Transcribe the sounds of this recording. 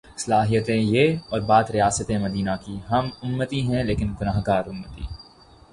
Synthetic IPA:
sɐlaːɦijət̪ẽjeːɔːɾbaːt̪ɾijaːsət̪ẽmɐd̪iːnakiɦɐmʊmːət̪iɦɛ̃leːkɪnɡʊnaːɦkaːɾʊmːət̪ḭː

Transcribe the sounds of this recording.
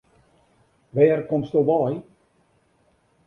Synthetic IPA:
ʋɛːrkomstoʋɔj

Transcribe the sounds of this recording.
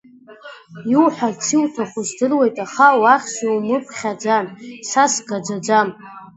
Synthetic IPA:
jiwħʷart͡sʰiwtʰaχʷʊzdɨrwe̞jtʼaχawaχʲsiwmɨpʰʼχʲad͡zansasɡad͡zad͡zam

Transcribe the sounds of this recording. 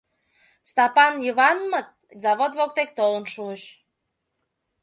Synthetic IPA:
st̪ɑpɑnjəβɑnmət̪̚zɑβod̪βok̚t̪ek̚t̪olənʃuəʃ

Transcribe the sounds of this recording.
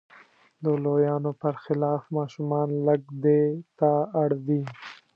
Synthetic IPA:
d̪əlojɑnopəɾxɪlɑfmɑʃumɑnləɡd̪et̪aaɽd̪i

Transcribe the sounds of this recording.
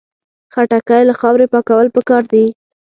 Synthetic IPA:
xaʈakajlaxɑwɾepɑkawəlpəkɑɾd̪i

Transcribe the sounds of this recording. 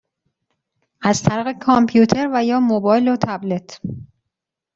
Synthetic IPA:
ʔæzt̪ʰæɾiːɣe̞kʰɒmpʰjuːt̪ʰe̞ɾvæjɒːmobɒːjlot̪ʰæble̞t̪ʰ

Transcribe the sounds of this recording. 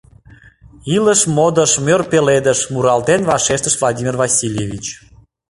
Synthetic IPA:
iləʃmod̪əʃmʲørpeled̪əʃmuɾɑlt̪envɑʃeʃt̪əʃvlˠɑd̪ʲimʲirvɑsʲilʲjevʲit͡ɕ

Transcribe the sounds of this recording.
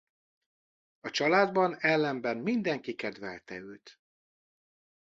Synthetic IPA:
ɒt͡ʃɒlaːd̪bɒnɛlːɛmbɛnmind̪ɛŋkikɛd̪vɛlt̪ɛ̰øːt̪

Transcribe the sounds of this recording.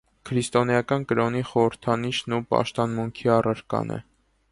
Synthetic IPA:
kʰɾist̪ɔnjɑkɑnkəɾɔniχɔɾəɾt̪ʰɑniʃnupɑ̰ʃt̪ɑnmuŋkʰiɑrəɾkɑ̰nɛ̰

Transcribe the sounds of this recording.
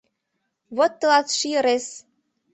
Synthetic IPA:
βot̪ːɤ̆lɑt̪ʃijɤ̆ɾes

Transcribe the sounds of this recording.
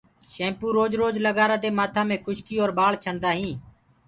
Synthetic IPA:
ʃẽːmpuːɾoːd͡ʒɾoːd͡ʒləɡaːɾãːd̪eːmaːt̪ʰãːmẽːkʰʊʃkiːoːɾɓaːɭt͡ʃʰəɳd̪aːɦĩː

